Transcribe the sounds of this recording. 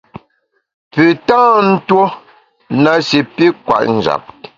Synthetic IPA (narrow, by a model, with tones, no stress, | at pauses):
pʉ˨tãː˦n̩˦two˦ | na˨si˨pi˦kwa̰˨ʔn̩˨d͡ʒa̰˨p̚